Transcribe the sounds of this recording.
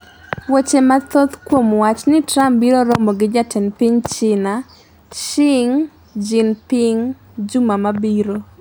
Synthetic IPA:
wot͡ʃemat̪ot̪kwomwat͡ʃnɪtɾambiɾoɾomoɡɪd͡ʒatɛnpiɲt͡ʃɪna | ʃɪŋ | d͡ʒɪnpɪŋ | d͡ʒumamabiɾo

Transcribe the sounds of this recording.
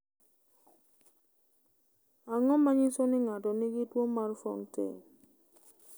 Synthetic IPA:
aŋɔmaɲɪsonɪŋatɔniɡitwomaɾfɔ̰ntḛ

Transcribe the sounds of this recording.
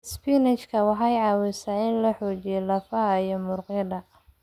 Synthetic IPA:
spinɛt͡ʃkʰɐwɑħɑjʕɑːwɪsaɪnlɐħɔːt͡ʃijɔlɐfɐijɔmʊrqɛd̪ɐ

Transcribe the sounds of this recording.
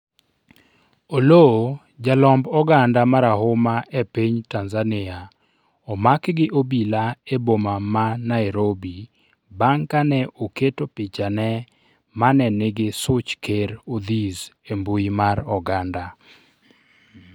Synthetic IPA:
olo | d͡ʒalɔmbɔɡandamaɾahʊmaʔepiɲtanzanɪa | ɔmakɡɪʔobilaebomamanaɪɾobi | baŋkanɛʔoketopɪt͡ʃanɛ | manɛnɪɡɪsʊt͡ʃkeɾod̪izemboimaɾɔɡanda

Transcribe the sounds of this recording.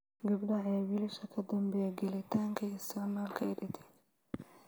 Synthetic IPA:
ɡɐbɗɐɛːwɪlɪʃɐkʰɐd̪ɐmbɛːɡɐlɪt̪ʰaːŋkʰɐɪst̪ʰɐʕmaːlkʰɐɪɗɪt̪ʰɛ̥

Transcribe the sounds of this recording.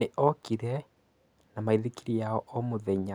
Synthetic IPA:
eʔɔkiɾɛ | namaiðikiɾijaɔʔɔmoðɛɲa

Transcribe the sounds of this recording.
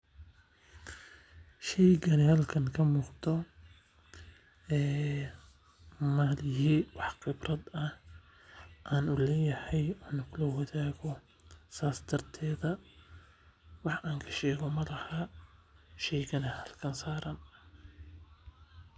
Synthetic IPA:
ʃɛjɡɐnɛhɐlkʰɐŋkʰɐmuːqd̪ɔ | ɛː | maːlɪɦiːwɑħqɪbrɐd̪ɐh | ʔaːnʊlɛːjɐhɛjɔːnʊkʰʊlɔwɐðaːɣɔ | saːsd̪ɐrt̪ʰɛːðɐ | wɑħʔaːŋkʰɐ̥ʃɛːɣɔmɐlɐhɐ | ʃɛjɡɐnɛhɐlkʰɐnsaːɾɐn

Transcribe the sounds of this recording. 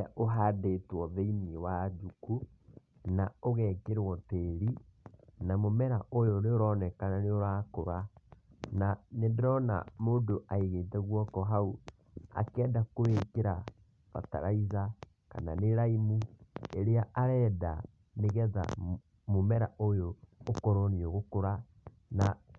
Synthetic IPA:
aʔoɦadetwɔðeiniewad͡ʒuku | naoɣɛːkeɾwɔteɾi | namomɛɾaʔojɔɾeoɾɔnɛkananeoɾakoɾa | nanendɾɔna̰moːndoʔaiɣeːtɛɣwɔkɔɦau | a̰kɛːdakoekeɾa | βa̰ta̰ɾaiza | ka̰naneɾaimueɾeaʔaɾɛːda̰ | neɣɛða̰ | momɛɾaʔojoːkɔɾɔniɔɣokoɾa | na

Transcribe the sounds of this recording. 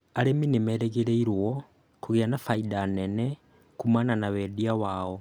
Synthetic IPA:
aleminimeɾeɣeɾeiɾwo | kuɣianafaidanene | kumananawediawaːo

